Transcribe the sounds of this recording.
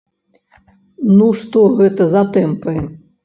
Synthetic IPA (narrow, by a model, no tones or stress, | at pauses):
nuʂt̪ɔɣɛt̪ɐzat̪ɛmpɨ